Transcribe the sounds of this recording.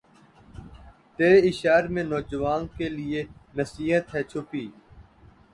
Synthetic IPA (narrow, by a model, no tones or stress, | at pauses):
t̪eːɾeɪʃaːɾmẽnɔːd͡ʒəʋaːnkelɪenəsiːɦət̪ɦɛːt͡ʃʰʊpiː